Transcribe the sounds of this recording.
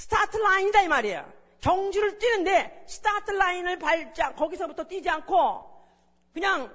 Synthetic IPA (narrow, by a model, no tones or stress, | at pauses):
sʰɯ̥tʰatʰɯɭainidaimaɾejo̰ | kjʌŋd͡ʑuɾɯɭt͈inɯnde̞sʰɯ̥tʰatʰɯɭːainɯɭpaɭt͡ɕ͈akʌɡisʰʌbutʰʌt͈id͡ʑiankʰo | kɯɲaŋ